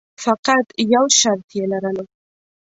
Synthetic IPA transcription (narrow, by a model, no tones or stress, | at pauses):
faqɑt̪jawʃaɾt̪jelaɾano